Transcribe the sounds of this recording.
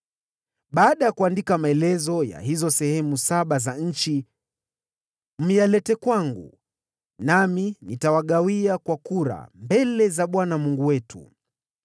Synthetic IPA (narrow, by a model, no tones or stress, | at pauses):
ɓaːɗajakuandikamaɛlɛzɔja̰hizɔsɛhɛmusaɓazaɲ̩t͡ʃi | m̩jalɛtɛkwaŋɡṵ | naminitawaɠawiakwakuɾa̰mbɛlɛzaɓwanamuŋɡuwɛtṵ